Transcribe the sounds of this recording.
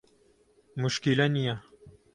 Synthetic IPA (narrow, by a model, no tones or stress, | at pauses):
muʃkilɐnija